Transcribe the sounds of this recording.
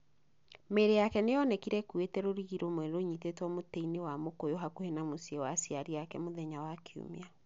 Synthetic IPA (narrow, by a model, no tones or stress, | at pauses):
meɾejakɛneɔnɛkiɾɛkwetɛɾoɾiɣiɾomwɛɾoɲitetwɔmoteinewamokojoɦakuhɛnamosiewasiaɾiakɛmoðɛɲawakʰeṵmia